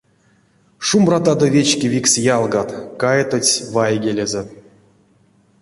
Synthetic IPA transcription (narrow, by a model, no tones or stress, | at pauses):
ʂumbrat̪ad̪ovʲet͡ɕkʲivʲiksjalˠɡat̪kajet̪ot͡sʲvajɡʲelʲeze